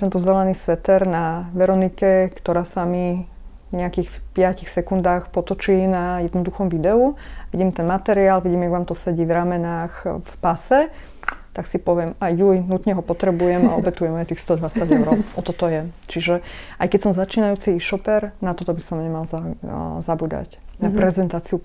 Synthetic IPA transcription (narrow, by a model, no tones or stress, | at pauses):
t̪ɛnt̪ɔzɛlɛniːsʋɛt̪ɛɾnaʋɛɾɔnikɛkt̪ɔɾaːsami | ɲɛakiːxpɪacixsɛkund̪aːxpɔt̪ɔt͡ʃiːnajɛd̪nɔd̪uxɔmʋid̪ɛuʋiɟiːmt̪ɛnmat̪ɛɾiaːlʋiɟimjaɡʋaːmt̪ɔsɛɟiːvɾamɛnaːxfpasɛ | t̪aksipɔʋɛmajjulinut̪ɲɛɦɔpɔt̪ɾɛbujɛma̰ɔbɛt̪ujɛmajt̪ixst̪ɔd̪ʋat͡saɟɛʊɾɔʊɔt̪ɔt̪ɔjɛt͡ʃiʒɛʔajkɛcsɔmzat͡ʃiːnajuːt͡siʃɔpɛɾnat̪ɔt̪ɔbisɔmɲɛmalzazabuːd̪a̰cnapɾɛzɛnt̪aːt͡siu